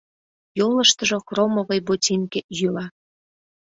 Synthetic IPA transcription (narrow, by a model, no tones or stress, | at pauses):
joləʃt̪ə̆ʒoxromoɣəjbotʲinkejylɑ